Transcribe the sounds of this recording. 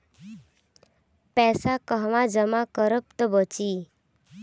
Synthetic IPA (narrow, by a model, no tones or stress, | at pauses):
pɛsakəɦʋãd͡zəmãkəɾəp̚t̪əbət͡ɕiː